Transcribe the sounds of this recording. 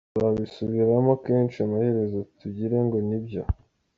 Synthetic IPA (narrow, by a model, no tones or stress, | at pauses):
tuɾaβisuβiɾamokeːnt͡ʃiamahe̞ɾe̞zotuɟiɾe̞ŋɡo̞nibjo